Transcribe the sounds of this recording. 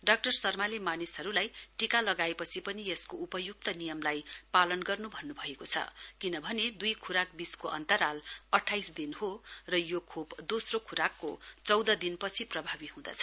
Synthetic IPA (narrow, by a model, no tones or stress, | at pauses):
ɖak̚ʈʌrsʌrmalemanisɦʌɾulajʈikalʌɡaepʌt͡sʰipʌnieskoupʌjuk̚t̪ʌnijʌmlajpalʌnɡʌrnubʱʌnːubʱʌekot͡sʰʌ̰kinʌbʱʌned̪ujkʰuɾak̚biskoʔʌ̰nt̪ʌɾalʌʈʰːajsd̪inhorʌjokʰopd̪osrokʰuɾakːo̰t͡sʌwd̪ʌd̪inpʌt͡sʰiprʌbʱabiɦũd̪a̰t͡sʰʌ